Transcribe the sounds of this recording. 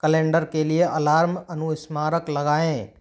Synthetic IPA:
kəlẽːɳɖəɾkelieʔɐlaːɾmɐnuɪsmaːɾəklɐɡaːẽː

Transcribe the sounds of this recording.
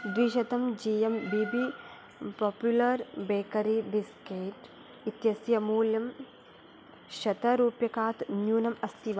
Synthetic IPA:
d̪ʋiːʃɐt̪ɐmd͡ʒijɐmbibi | poːpjulɐɾbeːkɐɾibiskeːʈ | it̪jɐsjɐmuːljɐm | ʃɐt̪ɐɾuːpjɐkaːt̪njuːnɐmɐst̪ʰiʋa

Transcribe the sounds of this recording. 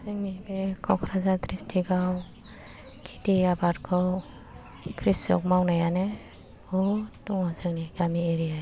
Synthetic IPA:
zɯŋnibekʰɔkʰɾazat̪ɾistʰiɡaw | kʰi̥tiabaɾkʰɔw | kʰɾisɔ̰k̚mawnajane | ɔtɔŋazɯŋniɡamieɾija

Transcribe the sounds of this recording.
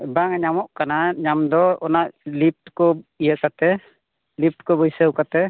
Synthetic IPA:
baŋɲamɔʔkanaɲamd̪ɔɔnaʔlip̚ʈkɔijəkat̪ɛ | lip̚ʈkɔbəjsəwkat̪ɛ

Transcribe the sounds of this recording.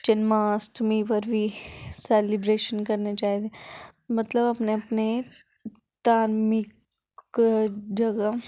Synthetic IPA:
ʈenmaːsʈmipəɾbʱisɛːlɪbɾeːʃənkɐɾnet͡ʃaːɦit̪emɐt̪ləbɐpneɐpne | t̪aːɾmɪk | d͡ʒɐɡə

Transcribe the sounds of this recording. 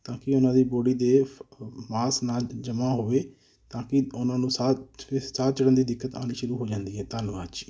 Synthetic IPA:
t̪ãːkɪʊnãːd̪iːboːɽiːd̪eː | maːsnaːd͡ʒəmãːɦoːʋeː | t̪ãːkɪʊnãːnũːsaːsaːt͡ʃəɽənd̪iːd̪ɪkːət̪a̰ːniːʃʊɾuːɦoːd͡ʒãːnd̪iːɦɛːt̪aːlʋaːt͡ʃ

